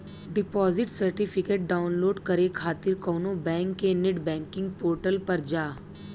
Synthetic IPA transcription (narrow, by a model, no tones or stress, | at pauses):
ɖɪpɔːzɪʈsɐɾʈɪpʰɪkeːʈ̚ɖaːʊnloːɖkɐɾekʰaːt̪ɪɾkɔːnõbɛ̃ːŋkːenɪʈbɛ̃ːŋkɪ̃ŋɡ̚poːɾʈəlpɐɾd͡ʒaː